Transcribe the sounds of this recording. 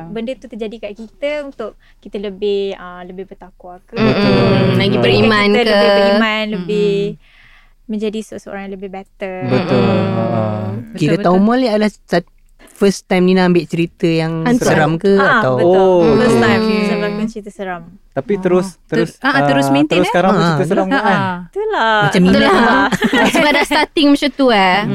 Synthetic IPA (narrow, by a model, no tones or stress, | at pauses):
bəndət̪ut̪əd͡ʒadikaʔkit̪əunt̪ʊʔ̚ | kit̪ələbɪhələbɪhbət̪akuakə | laɡipəɾimãnkəəimanləbɪ | məɲd͡ʒadisəsəo̰ɾaŋjãləbɪhbɛt̪əbət̪ʊl | kiɾət̪aumaliadəlahd̪a | fəst̪ajmninaambɪʔt͡ʃəɾit̪əjaŋasəɾamkəat̪awoəst̪ajmsablakint͡ʃəɾit̪əsəɾamt̪apit̪əɾʊsəʊsaʔat̪əɾʊsmĩnt̪iɾʊskaɾaŋaəəəɾamaat̪ulamat͡ʃamnila | səbaʔdast̪at̪ɪŋmat͡ʃamt̪ua